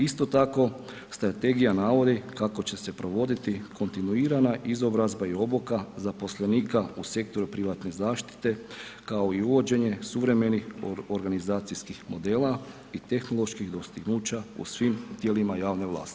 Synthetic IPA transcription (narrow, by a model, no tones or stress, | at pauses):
ist̪o̞t̪ako̞ | st̪ɾat̪e̞ɡijanaʋo̞d̪ikako̞t͡ɕe̞se̞pɾo̞ʋo̞d̪it̪ikʰo̞nt̪inuiːɾanaʔizo̞bɾazbaio̞bokazapo̞slˠeniːkause̞k̚t̪o̞ɾupɾiʋat̪ne̞zaːʃt̪i̥t̪e̞kao̞iuʋo̞d͡ʑe̞ɲe̞suʋɾe̞me̞nixoɾɡanizaːt̪sijskixmo̞d̪e̞ːla | it̪e̞xnolˠo̞ʃkiɣd̪o̞st̪iɡnuːt͡ɕaṵsʋimt̪je̞limajaːʋne̞ʋlˠa̰ːst̪i̥